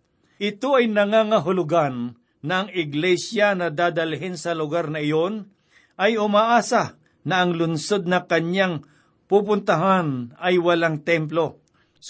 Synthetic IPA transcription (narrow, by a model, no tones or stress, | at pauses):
ʔɪt̪oʔɐjnɐŋaŋɐɦʊlʊɡanː | ɐʔɐŋɪɡlɛsjɐnɐd̪aːd̪ɐlɦɪnsɐlʊɡaɾnɐɪjon | ʔɐjʊmaːʔaːsɐ | nɐʔɐŋlʊnso̞d̪̚nɐkɐɲaŋ | pupʊnt̪ɐɦanɐjwɐlaŋt̪ɛmplo̞